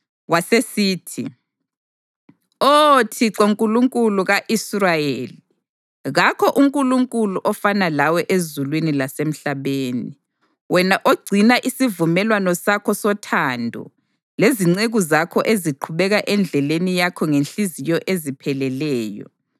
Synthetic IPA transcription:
wasesiːtʰḭ | otʰiǀoŋkʼuluŋkʼuluɣaʔisrajeli | ɣakʰɔʔuŋkʼuluŋkʼuluʔɔfanalawɛʔezulwinilasem̩ɬaβeːni | wɛnaʔoɡ͡ǀʱinaʔisivumɛlwanɔsakʰɔsɔtʰandʱɔ̰ | leziŋ͡ǀeɣuzakʰɔʔeziǃʰuβɛɣaʔɛnd͡ɮʱɛlenijakʰɔŋenɬizijɔʔezipʰɛlɛlɛːjɔ̰

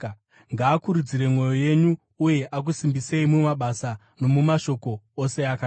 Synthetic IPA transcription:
ŋɡaːkuɾud͡ziɾe̞mwo̞jo̞je̞ɲuː | je̞ʔak̬usimbise̞imumaɓasa | no̞mumaʃo̞ko̞ose̞aka

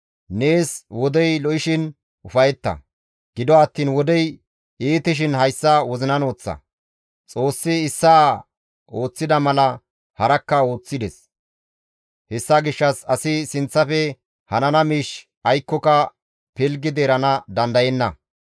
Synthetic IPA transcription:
ne̞ːswɔd̪ɛjlɔʔɪʃɪn | ʊfɐjɛt̪ːɐ̰ | ɡ̥ɪd̪ɔɐt̪ːiːnwɔd̪ɛj | eːt̪ɪʃ̬ɪnhɐjsːɐwɔzɪnɐno̞ːt͡sːɐ̰ | t͡sʼo̞ːsːɪːsːaː | oːt͡sːɪd̪ɐmɐlɐ | hɐɾɐkːɐo̞ːt͡sːɪd̪ɛs | hɛsːaːɡɪʃːɐsɐsɪsɪnt͡sːɐfɛ | hɐnɐnɐmiːʃ | ʔɐjkːɔkɐ | pɪlɡɪd̪eːɾɐnɐd̪ɐnd̪ɐjɛnːɐ̰

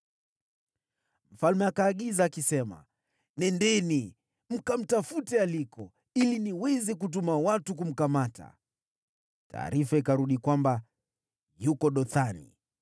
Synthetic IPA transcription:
m̩falmɛakaːɠizaːkisɛma̰ | nɛndɛni | m̩kam̩tafutɛalikɔ | iliniwɛzik̬ut̬umawatuk̬um̩kamata̰ | ta̰ːɾifaikaɾuɗikwamba | jukɔɗɔθanḭ

